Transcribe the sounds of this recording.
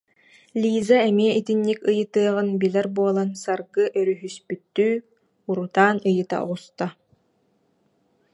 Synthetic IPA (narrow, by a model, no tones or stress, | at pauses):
lʲiːzaɛmiɛʔit̪inːikɯjɯt̪ɯɐʁɯnbilɛɾbuɔlˠansaɾɡɯʔœɾyɦyspyt̪ːyː | uɾut̪aːnɯjɯt̪a̰ɔ̰ʁust̪a